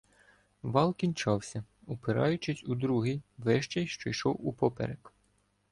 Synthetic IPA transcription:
ʋɑlˠkʲinʲt͡ʃɑwsʲɐ | upeɾɑjʊt͡ʃɪsʲud̪ɾuɦijʋɛʃt͡ʃɛjʃt͡ʃɔjʃɔwupɔpɛ̰ɾɛk

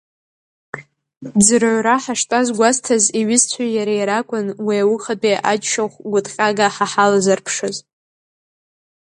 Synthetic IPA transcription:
d͡zɨrʕʷraħaʂtʼazɡʷaztʰaziɥɪzt͡sʷʰajaɾajɾakʷʼʊnwiawʊχapʼiʔat͡ʃʃaχʷɡʷʊtʼqʲʼaɡaħaħalazarpʰʂɨz

